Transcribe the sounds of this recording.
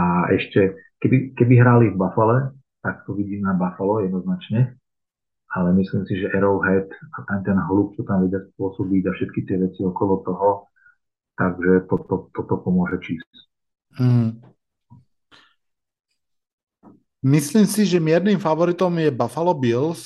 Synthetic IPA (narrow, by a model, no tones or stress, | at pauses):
aɛ̰ʃcɛ | kɛbikɛbiɦɾalivbafalɛ | t̪ak̚t̪ɔʋiɟiːmnabafalɔjɛd̪nɔznat͡ʃɲɛ | alɛmisliːmsiʒɛʔɛɾɔʊɦɛt̪at̪amt̪ɛnɦluːk̚t̪ɔt̪amʋɛɟɪaspʊɔsɔbiɟafʃɛt̪kit̪ɪɛʋɛt͡siɔkɔlɔt̪ɔɦɔ | t̪aɡʒɛt̪ɔt̪ɔt̪ɔt̪ɔpɔmʊɔʒɛt͡ʃiːs | m̩ɦ̩ | misliːmsiʒɛmɪɛɾnimfaʋɔɾit̪ɔmjɛbafalɔbils